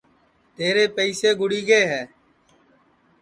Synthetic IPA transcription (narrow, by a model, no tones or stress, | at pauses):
t̪eːɾeːpəiseːɡʱʊɽiːɡeːɦɛː